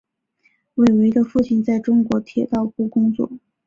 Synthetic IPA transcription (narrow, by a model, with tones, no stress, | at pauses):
we˥˩ɪwe˧˥ɪd̪ə˧fu˥˩t͡ɕʰi˥˩nt͡sa˥˩ɪʈ͡ʂʊ˥ŋkwɔ˧˥t̪ʰjɛ˨˩t̪ɑ˥˧ʊpu˥˩kʊ˥ŋt͡swɔ̰˥˩